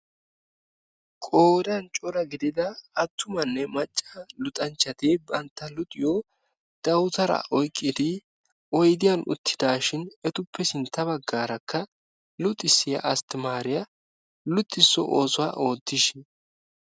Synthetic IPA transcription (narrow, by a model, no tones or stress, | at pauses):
kʼoːd̪ɐnt͡ʃʼɔɾɐɡɪd̪ɪd̪ɐɐt̪ːʊmɐnːɛmɐt͡ʃʼːɐlʊt̪ʼɐnt͡ʃːɐt̪ebɐnt̪ːɐlʊt̪ʼɪjo | d̪̥ɐwt̪ɐɾɐ̰ʔɔjkʼːɪd̪ɪ | ɔjd̪ɪjɐnʔʊ̰t̪ʰːɪd̪aːʃɪnɛt̪ʊpʰːɛsɪnt̪ːɐbɐɡːaːɾɐkːɐ | lʊt̪ʼːɪsːɪjɐ̰ʔɐst̪ɪmaːɾɪjɐ | lʊt̪ʼːɪsːɔ̰ʔoːsʊwaʔo̞ːd̪ːɪʃɛ